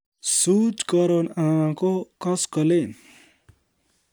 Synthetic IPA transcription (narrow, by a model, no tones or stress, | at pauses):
sut͡skʌɾonããkokʌskʌle